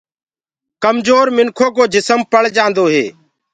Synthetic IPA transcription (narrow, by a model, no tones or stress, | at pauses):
kəmd͡ʒoːɾmɪŋkʰoːkoːd͡ʒɪsəmpəɭd͡ʒãːnd̪oːɦḛː